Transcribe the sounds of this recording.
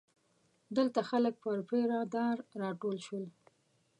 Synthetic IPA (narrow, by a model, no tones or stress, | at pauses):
d̪əlt̪axalək̚pəɾpeɾɑd̪ɑɾːɑʈolʃwəl